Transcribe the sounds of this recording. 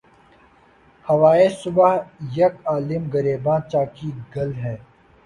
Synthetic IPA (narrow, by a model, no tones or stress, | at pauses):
hɐʋaːesʊbaɦjɐkaːlɪmɡɐɾeːbãːt͡ʃaːkiɡɐlɦɛː